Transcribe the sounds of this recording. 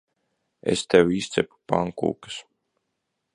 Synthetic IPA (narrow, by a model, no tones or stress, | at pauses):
ḛst̪ɛwiːst̪sʲɛpu̥pa̰ŋkṵːkɨ̥s